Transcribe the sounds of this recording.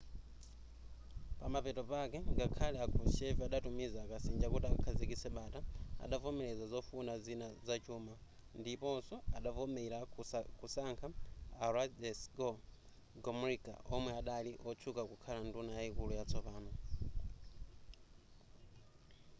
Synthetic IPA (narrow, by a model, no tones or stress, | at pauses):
pamapɛtɔpakɛŋɡakʰalɛakʰuʃɛviaɗatumizakasind͡ʒakutakakʰazikisɛɓataa̰ɗavɔmɛlɛzazɔfunazinazat͡ʃʰuːma | ndipɔsɔaɗavɔmɛɾakusaŋkʰaaɾadɛsɡɔ | ɡɔmuɾika̰ʔɔmwɛaɗaliʔɔt͡ʃʰukakukʰalandunajaikulujat͡sʰɔpaːnɔ